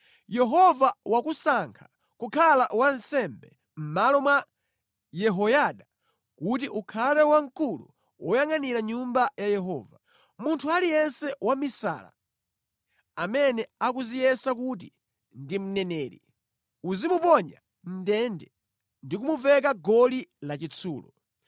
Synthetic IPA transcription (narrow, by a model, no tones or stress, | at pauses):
jɛɦɔvawakusaŋkʰḁ | kukʰalawan̩sɛmbɛ | m̩malɔmwa | jɛɦɔjaɗa | kut̬iʔukʰalɛwaŋ̩kulu | wɔjaŋaniɾaɲumbajajɛɦɔ̰ːva | muntʰualijɛnsɛwamisa̰ːla̰ | amɛnɛakuzijɛsakut̬i | ndim̩nɛnɛːɾi | uzimupɔɲa̰ | n̩dɛndɛ | ndik̬umuvɛkaɡɔlilat͡ʃit͡sʰṵːlɔ̰